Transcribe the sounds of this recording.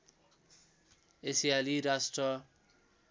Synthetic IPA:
esialiɾasʈrʌ

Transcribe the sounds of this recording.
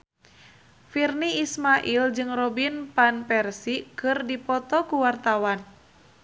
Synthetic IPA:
firniismaʔild͡ʒɨŋrɔbinpanpɛrsikɨrdipɔt̪ɔkuwart̪awan

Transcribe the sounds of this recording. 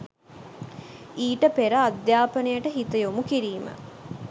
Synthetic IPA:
iːʈəpeɾəad̪jaːpənəjəʈəɦit̪əjomukiɾiːmə̰

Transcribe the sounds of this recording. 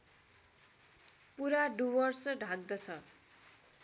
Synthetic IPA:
puɾaɖuwʌrsʌɖʱãɡ̚d̪ʌt͡sʰʌ

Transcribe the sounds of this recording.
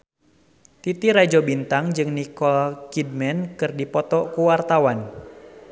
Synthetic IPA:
t̪it̪iɾad͡ʒobint̪aŋd͡ʒɨŋnikɔlkid̚mɛnkɨrdipɔt̪ɔkuwart̪awan

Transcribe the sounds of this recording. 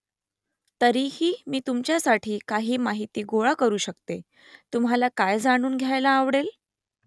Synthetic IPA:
t̪əɾihiːmiːt̪umt͡ɕjasaʈʰiːkaɦiːmaɦit̪iːɡoɭakəɾuːɕəkt̪e | t̪umɦalakajd͡zaɽ̃uːnɡʱjajlaːʋɽel

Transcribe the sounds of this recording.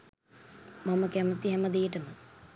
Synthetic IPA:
maməkæmət̪iɦɛməd̪ejəʈəmə

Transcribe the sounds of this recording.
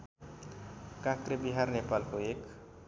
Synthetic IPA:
kãkɾebiɦarnepalkoek

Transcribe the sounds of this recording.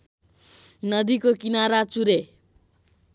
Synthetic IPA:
nʌd̪ikokinaɾat͡suɾe

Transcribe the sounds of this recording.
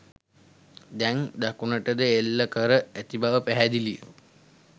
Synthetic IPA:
d̪ɛŋd̪akunəʈəd̪əelːəkəɾəæt̪ibaʋəpæɦæd̪iliə̰

